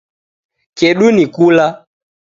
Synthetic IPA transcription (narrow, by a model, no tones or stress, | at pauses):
kɛɗunikula